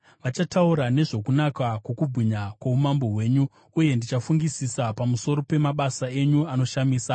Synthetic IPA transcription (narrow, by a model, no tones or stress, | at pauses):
ʋat͡ʃatauɾane̞ʐo̞kunakakwo̞kubʱiɲakwaumambo̞ɦwe̞ːɲu | uje̞ndit͡ʃafuŋɡisisapamuso̞ɾo̞pe̞maɓasae̞ɲuano̞ʃamiːsa